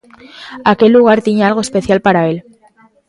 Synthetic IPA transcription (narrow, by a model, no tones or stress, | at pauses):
ake̞lːuɣ̞aɾt̪iɲaalɣoespe̞θjalpaɾae̞l